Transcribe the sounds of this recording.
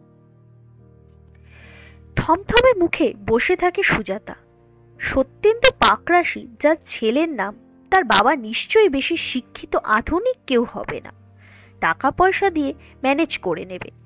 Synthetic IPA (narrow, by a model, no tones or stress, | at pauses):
t̪ʰɔmt̪ʰɔmeɾmukʰeboʃet̪ʰakeʃud͡ʑat̪a̰ | ʃot̪ːent̪opakɾaʃid͡ʑaɾt͡ɕʰeleɾnam | t̪aɾbabaniʃt͡ɕojbeʃiʃikʰːit̪oʔad̪ʱunikːewhɔ̰bḛna̰ | ʈakapɔeʃad̪ie | mɛned͡ʑkoɾenebḛ